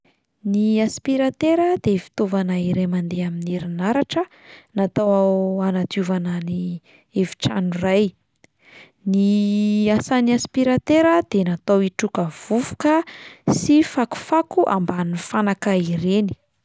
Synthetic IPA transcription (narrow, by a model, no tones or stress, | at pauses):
niaspiɾat̪eɾəd̪efi̥t̪ovanaiɾemand̪eaminiɾinaɾaʈ͡ʂə | nat̪awaanat̪uvanani | evi̥ʈ͡ʂanuraj | niasaniaspiɾat̪eɾəd̪̥enat̪owiʈ͡ʂukəv̥uvu̥kəsifaku̥fakuʔa̰mbanifanakaiɾeni̥